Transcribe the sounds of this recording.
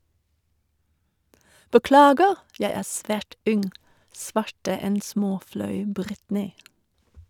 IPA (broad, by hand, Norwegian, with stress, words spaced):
bəˈklɑːɡəʁ ˈjæɪ ˈæːʁ ˈsʋæːʈ ˈʉnŋ ˈsʋɑʈə ˈɛn ˈsmoːˌflɑʉ ˈbʁɪtnɪ